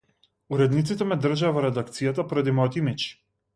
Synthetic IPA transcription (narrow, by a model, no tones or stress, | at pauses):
uɾɛd̪nit̪sit̪ɛmɛd̪r̩ʒavɔɾɛd̪ak̚t̪sijat̪apɔɾad̪imɔjt̪ɔimit͡ʃ